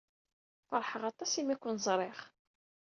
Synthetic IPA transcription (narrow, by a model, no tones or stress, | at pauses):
fɑɾˤħəʁɑt̪ˤːɑsimækʷːənzˤɾˤɪʁ